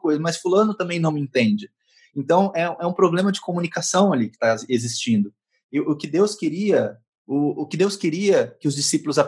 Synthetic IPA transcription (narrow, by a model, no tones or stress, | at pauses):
kojzɐmɐsfulɐ̃nʊt̪ɐ̃mẽj̃nɐ̃w̃ẽnt̪ẽnd͡ʒɪ | ẽnt̪ɐ̃w̃ɛũɛũpɾoblẽmɐd͡ʒɪkomunikasɐ̃w̃alikɪ̥t̪aezist͡ʃĩnd̪ʊ | ɪʔʊkɪd̪ewskeɾiɐ | ʊʊkɪd̪ewskeɾiɐkɪʊzd͡ʒɪsipʊlʊza